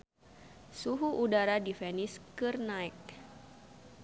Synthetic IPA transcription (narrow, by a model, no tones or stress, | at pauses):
suɦuʔudaɾadifɛniskɨrnaik̚